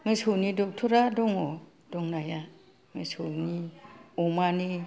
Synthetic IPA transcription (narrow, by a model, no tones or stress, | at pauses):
ŋɯjsɯwnidɔk̚tʰuɾadɔŋɔ | d̥ɔŋnaja | ŋɯsɯwniɔmani